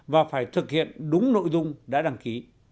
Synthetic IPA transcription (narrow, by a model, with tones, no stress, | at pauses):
vaː˨˩faː˧˩jt̪ʰɨ˨˩k̚hḭ˧˨ənɗʊ˨˦ŋ͡mno̰˧˨jzʊ˧ŋ͡mɗa̰ː˧˥ɗa˧˩ŋki˨˦